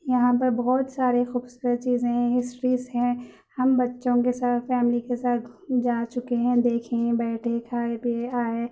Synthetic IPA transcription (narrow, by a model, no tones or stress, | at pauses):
jɐɦãpɐɾbɐɦɔːt̪saːɾexuːbsuːɾəd̪̚t͡ʃiːzẽɦɪsʈɾizɦɛ̃ː | hɐmbɐtːʃõkesaːt̪fɛːmlikesaːt̪d͡ʒaːt͡ʃʊkeɦɛ̃d̪eːkʰẽbɛːʈʰekʰaːebeaːe